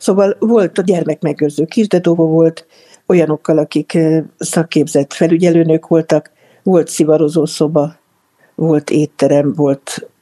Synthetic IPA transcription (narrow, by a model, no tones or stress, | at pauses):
soːvɒlvo̞lt̪ɒɟɛrmɛkmɛɡøːrzøːkiʒd̪ɛd̪ovovo̞lt̪ | o̞jɒno̞kːɒlɒkiksɒkːeːbzɛt̪fɛlyɟɛløːnøːkʋo̞lt̪ɒk | ʋo̞lt̪sivɒɾo̞zoːso̞bɒ | vo̞lt̪eːt̪ːɛɾɛmvo̞lt̪